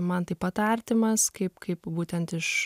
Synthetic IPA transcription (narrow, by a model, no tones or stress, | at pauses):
mɐnt̪ɐɪpɐt̪ɐɾʲt̪ʲɪmɐskɐɪpkɐɪpbuːt̪ʲɛnt̪ɪʃ